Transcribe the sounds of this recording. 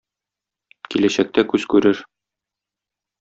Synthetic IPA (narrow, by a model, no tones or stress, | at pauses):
kilæɕæk̚t̪ækʉzkʉɾɘɾ